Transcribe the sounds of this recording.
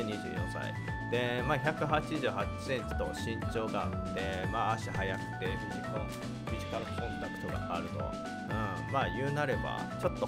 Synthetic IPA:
ɲiʑɨ̰ːjõ̞sa̰ḭ | d̪̥e̞maːçʲakɯ̟ɦat͡ɕiʑɨːhat͡ɕi̥sẽ̞ɲt͡ɕi̥t̪o̞ɕĩɲt͡ɕo̞ːɡaːt̪ːe̞maːɕihajat̪ːeɾɯ̟ɡʲit̪o | mʲiʑi̥kaɾɯkʰõ̞nt̪akɯ̟̥t̪o̞ɡa̰ʔaɾɯ̟t̪o̞̰ | ɯ̟̃ | maːjɯ̟ːnaɾe̞ba̰t͡ɕo̞t̪ːo̞

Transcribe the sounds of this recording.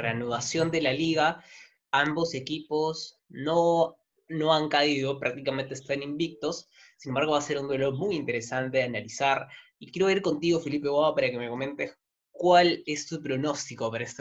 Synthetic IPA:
reanuðasjo̞nd̪e̞laliɣa | ambo̞se̞kipo̞s | no | no̞aŋkaiðo̞pɾak̚t̪ikamẽnt̪est̪animbik̚t̪o̞s | sːinembaɾɣ̞o̞βase̞ɾund̪welo̞ɾmujint̪e̞ɾe̞sant̪e̞analisaɾ | ikje̞ɾoiɾko̞nt̪iɣo̞filipe̞ɣwaβapaɾake̞me̞ko̞mẽ̞nt̪es | kwale̞st̪upɾo̞no̞st̪ikopaɾaest̪

